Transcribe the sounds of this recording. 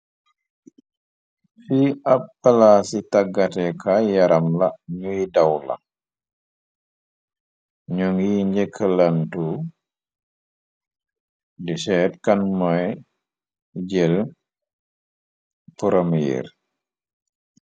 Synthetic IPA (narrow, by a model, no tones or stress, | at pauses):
fiɐpːalasitɐɡːatɛkʰajɐɾɐmlɐɲujidɐwla̰ | ɲuŋɡiɲɟɛkʰəlantu | disɛːt̚kɐnmɔj | ɟɛl | puɾɐmjɛ̰r